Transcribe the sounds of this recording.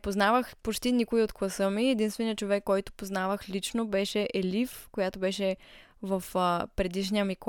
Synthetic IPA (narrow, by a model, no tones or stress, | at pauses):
poznavəxpot͡ʃt̪inikʊiot̪klˠɐsəmiɛd̪inst̪vɛniət͡ʃovɛkːɔjt̪ʊ̥poznavəxlit͡ʃnobɛʃɛʔɛlifkojat̪obɛʃɛ | vəfəpɾɛd̪iʃniəmik